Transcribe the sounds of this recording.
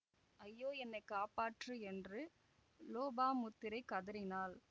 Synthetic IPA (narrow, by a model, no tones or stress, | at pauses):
ɐjːoːɛnːɐɪkːaːpaːʈrɯɛndrɯ | loːbaːmʊt̪ːɪɾɐɪkːɐðɐɾɪnaːl